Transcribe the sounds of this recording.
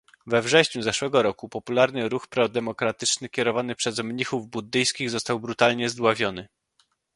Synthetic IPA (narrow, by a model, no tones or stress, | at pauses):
vɛvʐɛɕɲuzɛʂwɛɡɔɾɔkupɔpulaɾnɘɾuxpɾɔd̪ɛmɔkɾat̪ɘt͡ʂnɘkʲɛɾɔvanɘpʂɛzmɲixuvbud̪ːɘjskʲiɣzɔst̪awbɾut̪alɲɛzd̪wavʲjɔnɘ